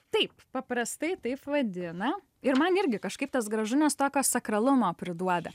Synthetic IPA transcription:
t̪ɐɪppɐpɾɐst̪ɐɪt̪ɐɪpʋɐd̪ʲɪnɐ | ɪɾmɐnɪɾʲɡʲɪkɐʃkɐɪpt̪ɐsɡɾɐʒʊnʲɛst̪oːkʲoːsɐkɾɐlˠʊmoːpʲɾʲɪd̪uɔd̪ɐ

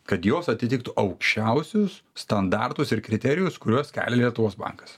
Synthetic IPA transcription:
kɐt̪joːsɐt̪ʲɪt̪ʲɪk̚t̪ʊʔɐʊkʃʲt͡ʃʲɛʊsʲʊsːt̪ɐnd̪ɑrt̪ʊsɪɾkɾʲɪt̪ʲɛɾʲɪjʊskʊɾʲuɔskʲæ̰ːlʲɛlʲiɛt̪ʊʋoːsbɑ̰ŋkɐ̥s

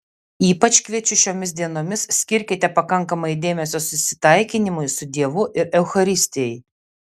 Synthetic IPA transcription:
iːpɐt͡ʃʲkʋʲiɛt͡ʃʲʊʃʲoːmʲɪsd̪ʲiɛnoːmʲɪssʲkʲɪɾʲkʲɪt̪ʲɛpɐkɐŋˑkɐmɐɪd̪ʲeːmʲɛsʲoːsʊsʲɪ̥t̪ɐɪkʲɪnʲɪmʊɪsʊd̪ʲiɛʋʊʔɪɾɛʊxɐɾʲɪsʲt̪ʲɪjɛɪ

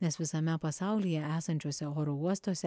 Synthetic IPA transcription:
nʲɛsʋʲɪsɐmʲɛpɐsɑˑʊlʲijɛæːsɐnʲt͡ʃʲoːsʲɛoːɾouɔst̪oːsʲɛ

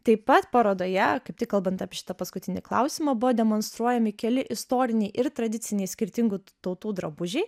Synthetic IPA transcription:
t̪ɐɪpɐt̪poɾoːd̪oːjɛkɐɪp̚t̪ʲɪkːɐlˠbɐnt̪ɑːpʲɪʃʲɪ̥t̪ɐpɐskʊt̪ʲɪnʲɪklˠɐ̰ʊsʲɪmɐːbʊʋoːd̪ʲɛmoːnst̪ɾuɔjɛmʲɪkʲɛlʲɪʔɪst̪oːɾʲɪnʲɛɪʔɪɾt̪ɾɐd̪ʲɪtsʲɪnʲɛɪsʲkʲɪɾʲt̪ʲɪŋɡuːt̪ɐʊt̪uːd̪ɾɐbʊʒʲɛɪ

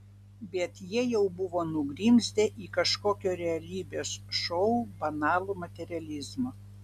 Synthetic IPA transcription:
bʲɛt̪jiɛjɛʊbʊʋoːnʊɡɾʲiːmʲsʲd̪ʲeːʔiːkɐʃkoːkʲoːɾʲɛɐlʲiːbʲeːsʃɔʊbɐnɑːlˠuːmɐt̪ʲɛɾʲɪɐlʲɪzmoː

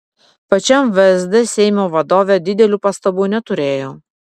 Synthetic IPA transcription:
pɐt͡ʃʲɛmʋʲɛzʲd̪ʲɛsʲɛɪmʲoːʋɐd̪oːʋʲeːd̪ʲɪd̪ʲɛlʲuːpɐst̪ɐbuːnʲɛt̪ʊɾʲeːjoː

